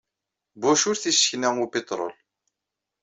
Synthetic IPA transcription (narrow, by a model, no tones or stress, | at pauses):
buʃʊɾθisəçnæŋʊpet̪ˤɾˤo̰l